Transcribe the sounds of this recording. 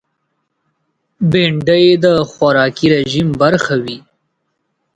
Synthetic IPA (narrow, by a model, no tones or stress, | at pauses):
beɳɖəjed̪əxwaɾɑkiɾeʒimbaɾxawi